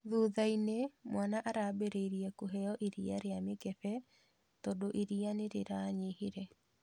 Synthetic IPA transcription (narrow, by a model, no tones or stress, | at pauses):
ðuðainemwanaʔaɾabeɾeiɾiɛkoɦɛjɔʔiɾiaɾeamekɛfɛ | tɔdoʔiɾianeɾeɾaɲeheɾɛ